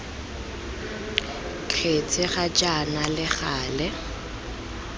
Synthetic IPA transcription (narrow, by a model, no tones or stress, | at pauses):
kʰet͡sʼɪχat͡ʃʼanalɪχaːlɛ